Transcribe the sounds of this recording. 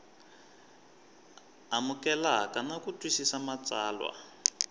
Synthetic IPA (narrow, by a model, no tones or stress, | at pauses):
amukɛlakanakutʼwisisamat͡saːlwa̰